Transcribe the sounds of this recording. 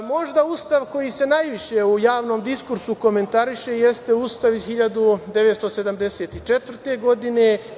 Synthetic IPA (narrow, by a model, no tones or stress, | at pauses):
mo̞ʒd̪auːst̪aʋko̞jise̞najʋiʃeujaːʋno̞ːmd̪iskuɾsuko̞me̞nt̪aɾiʃe̞je̞st̪e̞uːst̪aʋizxiʎad̪ud̪e̞ʋet̪st̪o̞se̞d̪amd̪e̞se̞ːt̪it͡ʃet̪ʋr̩t̪e̞ɡo̞d̪ine̞